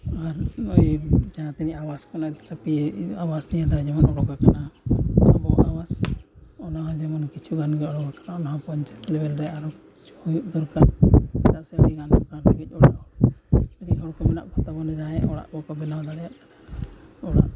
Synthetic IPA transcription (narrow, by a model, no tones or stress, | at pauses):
aɾɔjd͡ʒanat̪ɛniʔawaskɔnɔt̪kapiawasnijad̪ad͡ʒɛmɔnɔɽɔɡakanaa̰bɔʔawasɔnaɦɔd͡ʒɛmɔnkit͡ʃʰuɡanɡɛɔɽɔɡakanaɔnaɦɔpɔɲt͡ʃaʈlɛbɛlɾɛaɾɔ | hujuʔd̪ɔɾkat̪aʔsɛɾiɡanɔkantiɡic̚ˀɔɽa̰ʔɔ | əd̪iʔhɔɽkɔmɛnaʔbʰʱat̪abɔnɛd͡ʒaɛʔɔɽa̰ʔbɔkɔbɛlawd̪aɽɛjaʔk | ɔɽa̰ʔ